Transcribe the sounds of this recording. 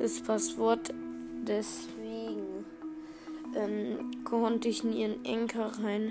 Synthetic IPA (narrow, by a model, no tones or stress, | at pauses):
ɪspʰasv̥ɔɐtd̥ɛs | v̥eːɡŋ̩ | ʔɛmkʰɔntɪçɪnḭːʁənʔɛ̰ŋkʰəʁaɪn